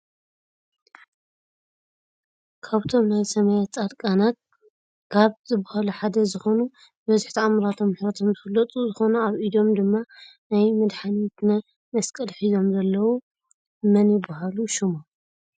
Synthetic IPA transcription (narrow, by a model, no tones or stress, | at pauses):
kʰaβt̪ʰo̞mnajsɐmajat͡sʼad̪kʼanat̪̚ | kʰaβzɨbahaluħad̪ɐzɨxo̞nu | bɐzɨħt̪ʰiamɾat̪ʰo̞mːħɾɐt̪ʰo̞mzɨfɨlːɐt̪ʼuzɨxo̞nuaβʔid̪o̞md̪ɨmːa | najmɨd̪ħanit̪nɐ | mɐskʼɐlħizomzɐlːɐwu | mɐnjɪbːahaluʃɪmo